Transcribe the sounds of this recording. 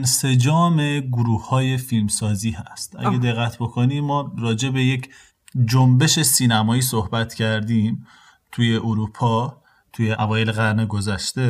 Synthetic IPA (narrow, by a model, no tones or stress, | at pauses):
ense̞d͡ʒɒːme̞ɡoɾuːhhɒːje̞filmsɒːziːɦæ̰st̪ʔæ̰ɡʲæd̪e̞ɣːæt̪ʰbo̞kʰoniːmːɒːrɒːd͡ʒe̞be̞je̞cʰ | d͡ʒombe̞ʃe̞siːnæmɒːiːsohbæt̪ʰcʰæɾd̪iːm | t̪ʰuje̞ʔuɾuːpʰɒː | t̪ʰujeʔævɒːje̞leɣæɾneɡo̞zæʃt̪e̞